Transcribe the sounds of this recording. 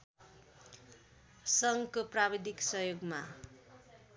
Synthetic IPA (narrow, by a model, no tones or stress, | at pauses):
sʌŋɡkoprabid̪ʱiksʌɦjoɡma